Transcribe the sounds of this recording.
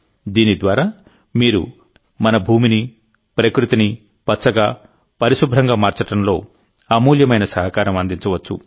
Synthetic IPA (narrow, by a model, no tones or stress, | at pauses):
d̪iːnid̪ʋaːɾaː | miːɾṵ | mɐnɐbʱuːmini | pɾɐkɾut̪ini | pɐtːt͡ʃɐɡaː | pɐɾiʃubʱɾɐŋɡaːmaːɾt͡ʃɐʈɐmlo̞ː | ɐmuːljɐmɐjnɐsɐɦɐkaːɾɐmɐnd̪iɲt͡ʃɐʋɐt͡ʃːṵ